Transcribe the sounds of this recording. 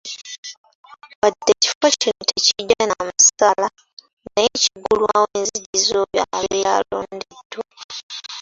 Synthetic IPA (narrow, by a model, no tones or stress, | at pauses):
wadeci̥focinotʰeciɟanamusala | najeciɡulwaweːnziɟizoβja̰βiɾja̰loːndedwa